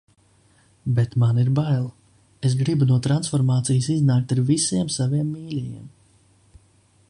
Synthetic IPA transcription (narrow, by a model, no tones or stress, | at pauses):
bet̪maniɾbajlˠ | esɡɾibunuɔt̪ɾansfɔɾmaːt̪sijsiznaːk̚t̪aɾvisiɛmsaviɛmːiːlʲɛjḭɛm